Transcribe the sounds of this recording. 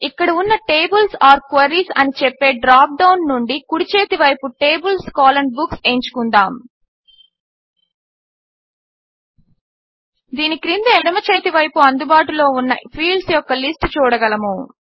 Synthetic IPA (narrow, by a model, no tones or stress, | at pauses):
ikːɐɽɐunːɐʈe̞ːbulsaːɾkʋɐɾiːsɐ̰nit͡ʃɛpːe̞ːɖɾaːp̚ɖɐwnːuɳɖikuɽit͡ʃe̞ːt̪iʋɐjpuʈe̞ːbulskaːlɐɳɖbukseːɲt͡ʃu̥kund̪aːm | d̪iːnikɾind̪eːɽɐmɐt͡ʃeːt̪iʋɐjpuɐnd̪ubaːʈulo̞ːunːɐ̰pʰiːɭɖsjɔkːɐlisʈt͡ʃuːɽɐɡɐlɐmu